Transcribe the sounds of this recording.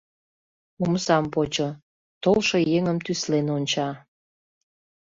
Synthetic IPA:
umsɑmpot͡ɕo | t̪olʃojeŋəmt̪yslenonʲt͡ɕɑ

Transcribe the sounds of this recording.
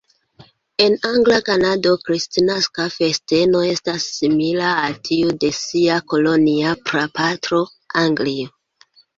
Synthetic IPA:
e̞naŋɡlakanado̞kɾistinaskafe̞ste̞no̞e̞stasːimilaːltʰiude̞siako̞lo̞niapɾapatɾo̞ | aŋɡlio

